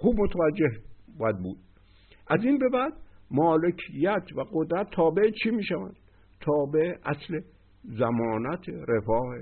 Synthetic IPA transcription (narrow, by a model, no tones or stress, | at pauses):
xuːbmot̪ʰævæd͡ʒːehbæd̪̚buːd̪̥̚ | ʔæziːnbe̞bæd̪mɒːlekʰijːæt̪ʰvæɡod̪ɾæt̪ʰːɒːbeet͡ʃʰimiːʃævæ̰nd̪̥ | t̪ʰɒːbeʔeʔæsle | zæmɒːnæt̪ʰeɾefɒːhe